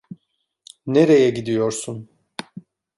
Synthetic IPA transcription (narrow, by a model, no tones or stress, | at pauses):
neɾejɛɟid̪ijo̞ɾsun